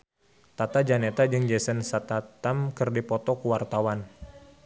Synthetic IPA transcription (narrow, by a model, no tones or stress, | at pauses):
t̪at̪ad͡ʒanɛt̪ad͡ʒɨŋd͡ʒɛsənsat̪at̪amkɨrdipɔt̪ɔkuwart̪awan